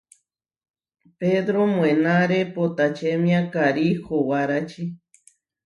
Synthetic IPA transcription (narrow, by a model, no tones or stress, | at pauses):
ped̪ɾomwenaɾepot̪at͡ʃemjakaɾixowaɾat͡ʃi